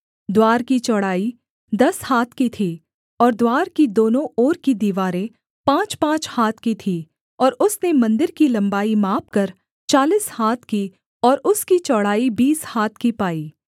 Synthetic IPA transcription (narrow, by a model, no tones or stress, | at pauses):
d̪waːɾkit͡ʃɔːɽaːi | d̪ɐshaːt̪ʰkit̪ʰiː | ɔːɾd̪waːɾkid̪oːnõɔːɾkid̪iːʋaːɾẽ | pãːt͡ʃpãːt͡ʃhaːt̪ʰkit̪ʰiː | ɔːɾʊsnemɐ̃nd̪ɪɾkilɐ̃mbaːimaːpkɐɾ | t͡ʃaːliːshaːt̪ʰki | ɔːɾʊskit͡ʃɔːɽ̤aːibiːshaːt̪̚ʰkipaːiː